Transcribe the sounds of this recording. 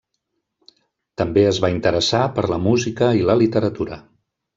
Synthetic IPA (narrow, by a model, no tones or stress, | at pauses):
t̪əmbeəzβaint̪əɾəsapəɾləmuzikəiləlit̪əɾət̪uɾə